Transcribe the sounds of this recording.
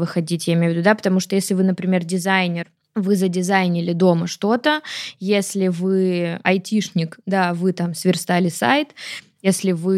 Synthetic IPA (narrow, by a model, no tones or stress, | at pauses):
vɨxɐdʲitʲjaɪmʲejvʲɪd̪ud̪apə̥t̪ɐmuʂt̪ojesʲlʲɪvɨnəpɾʲɪmʲe̞rdʲɪzajnʲɪr | vɨzədʲɪzajnʲɪlʲɪd̪o̞məʂt̪o̞t̪əjesʲlʲɪvɨɐjtʲiʂnʲɪkd̪avɨt̪amsvʲɪrst̪alʲɪsa̰jt̪ | jesʲlʲɪvɨ